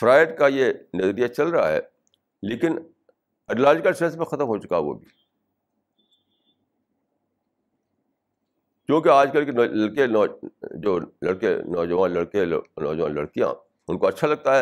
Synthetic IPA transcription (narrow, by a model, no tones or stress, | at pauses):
fɾaːɪʈ̚kajenɐzəɾijat͡ʃɐlɾɐɦa̰ɦɛ̰ː | leːkɪn | ɛɖəlaːd͡ʒɪkəlsẽːnsmẽxɐt̪əmɦot͡ʃʊ̥kaʋo̰ːbʱiː | kõːkeaːd͡ʒkɐlkelɐɽke | d͡ʒoːlɐɽkḛnɔːd͡ʒəʋaːnlɐɽkenɔ̰ːd͡ʒʋaːnlɐɽkijã̰ | ʊnkoɐtːʃʰalɐɡ̚t̪aɦɛ